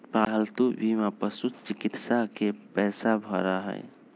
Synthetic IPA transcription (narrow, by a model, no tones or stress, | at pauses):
paɦəlt̪ubimapəsut̪t͡ʃikit̪sakepɛːsabʱɔɾaɦə̰j